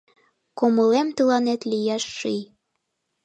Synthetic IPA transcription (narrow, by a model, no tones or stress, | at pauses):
koməlemt̪əlɑnet̪lijæʃːij